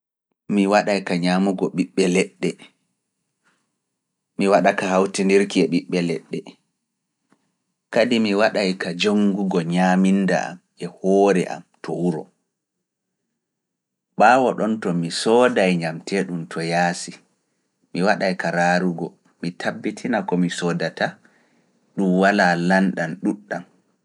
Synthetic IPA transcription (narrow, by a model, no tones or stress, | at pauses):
miwaɗajkaɲamuɡɔɓiɓːɛlɛɗːɛ | miwaɗakahawtindiɾkiɛɓiɓːɛlɛɗːɛ | kadimiwaɗajkad͡ʒoŋɡuɡɔɲaminːda̰a̰m | ɛhɔːɾɛʔa̰mtʰɔwuɾɔ | ɓaːwɔɗɔntɔmisɔdajɲamtʰɛɗuntʰɔjaːsi | miwaɗajkaɾaɾuɡɔ | mitʰabːitʰinakɔmisɔdata | ɗumwalalanɗanɗuɗːan